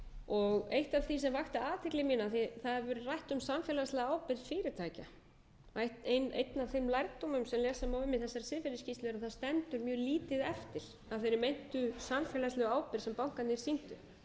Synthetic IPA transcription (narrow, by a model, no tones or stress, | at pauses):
ɔɣejht̪av̥θis̬ɛmvaxt̪aaːt̪ʰɪklɪmiːnaθiθaðɛɾvʏːɾʏrajht̪ʏmsamfjɛlast̪lɛɣaaːwpɪɾfɪːɾɪɾ̥t̪ʰaːjca | ajht̪ejnḛjt̪navθejmlajɾkt̪omʏmsɛmlɛːsamawɪmːɪθɛsːaɾsɪðfɪɾɪscist̪lɛɾaθaðst̪ɛnt̪ʏɾmjœːɣliːt̪ɪðɛft̪ɪl̥ | aðθejɾɪɾmejn̥t̪ʏsamfjɛːlaslɛɣaːwpɪɾ̥sɛmpawŋ̥kant̪niɾsin̥t̪ʏ